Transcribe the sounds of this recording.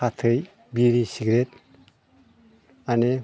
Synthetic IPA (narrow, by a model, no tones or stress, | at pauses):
atʰɯj | biɾisiɡɾet̚ | ane